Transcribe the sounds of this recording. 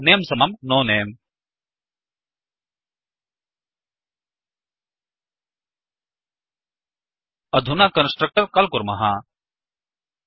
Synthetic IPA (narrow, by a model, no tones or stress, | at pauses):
nejmsɐmɐmnoːneːm | ɐd̪ʱunakɐnsʈɾɐk̚ʈɐɾkɐlkuɾmɐɦa